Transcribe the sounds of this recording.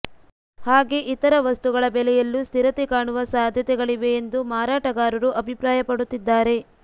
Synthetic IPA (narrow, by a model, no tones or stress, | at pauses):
haːɡe̞ʔit̪ɐɾɐʋɐst̪uɡɐɭɐbɛlɛjɐlːust̪iɾɐt̪ekaːɳuʋɐsaːd̪ʱjɐt̪ɛɡɐɭiʋe̞ːnd̪umaːɾaːʈɐɡaːɾɐɾuʔɐbʱipɾaːjɐpɐɽut̪ːid̪ːaːɾe̞